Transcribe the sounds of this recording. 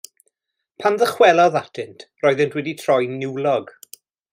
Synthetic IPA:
pʰanðəχwɛlˠɔðatʰɪntʰrɔɨðɨntʰwɛditʰrɔjnɪwlɔɡ̥

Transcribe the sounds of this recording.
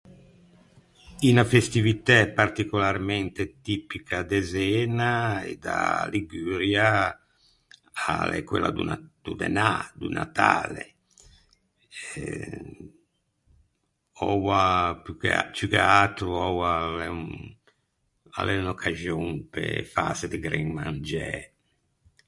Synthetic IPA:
inafest̪ivit̪ɛpart̪ikɔlarmɛnt̪et̪iːpikʰad̪ɛzɛːnaɛd̪a̰liɡyɾja | alɛ̰kːwḛlːa̰d̪ṵnd̪̥ud̪ɛ̰nad̪ṵna̰t̪a̰ːlḛ | ɛ | ɔwapukt͡ʃukeat̪ɾuɔwalɛ | a̰lɛunɔkʰaʒjoŋpḛfa̰sed̪iɡɾɛŋmand͡ʒɛ

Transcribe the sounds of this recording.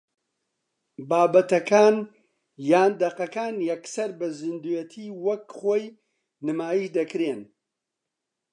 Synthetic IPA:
baːbɐt̪ɐkʰaːn | jaːnd̪ɐqɐkaːnjɐksɐɾbɐzɨnd̪ujɛt̪ʰiːwɐkχoːj | nɨmaːjiʃd̪ɐkɾen

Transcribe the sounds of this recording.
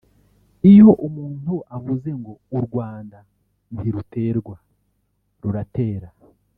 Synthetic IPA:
ijo̞ʔumuːntuʔaβuze̞ŋɡo̞uɾɡwaːnda | niɾute̞ːɾɡwa | ɾuɾate̞ːɾa

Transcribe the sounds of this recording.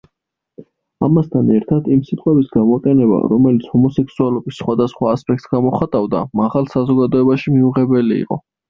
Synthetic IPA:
a̰mast̪ʰanɛɾt̪ʰad̪imsit̪ʼqʼɛbisɡamɔqʼɛnɛba̰ɾɔmɛlit̪sʰhɔmɔsɛksualɔbisːχwad̪asχwaːspʼɛk̚t̪sɡamɔχat̪ʼavd̪a̰maʁalˠsazɔɡad̪ɔɛbaʃimiuʁɛbɛliḭqʼɔ̰

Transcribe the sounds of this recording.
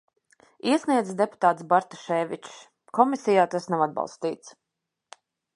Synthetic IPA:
iɛsniɛd̪zɛd̪epu̥t̪aːt̪sbaɾt̪ɔʃɛːvit͡ʃs | kɔmisijaːt̪asnawad̪̚bɑ̰lˠst̪iːt̪s

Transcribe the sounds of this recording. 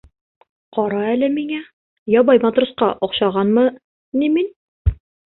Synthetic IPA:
qɒɾɑælɘmiŋæ | jɒbɑjmɑt̪rusqɑʔɒqɕɑʁɑnmɤ | nimin

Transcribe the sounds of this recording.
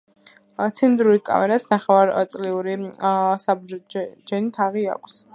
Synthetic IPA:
t̪sʰind̪ɾulikʼa̰mɛɾasnaχɛvaɾt̪sʼliuɾisabd͡ʒɛnit̪ʰaʁia̰kʷʰs

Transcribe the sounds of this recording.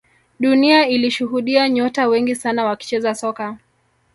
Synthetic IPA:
ɗuniailiʃuɦuɗiaɲɔtawɛŋɡisanawaki̥t͡ʃɛzasɔka

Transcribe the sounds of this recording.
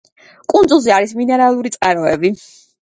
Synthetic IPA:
kʼund̪zulˠziaɾisminɛɾalˠuɾit̪sʼqʼaɾɔɛbi

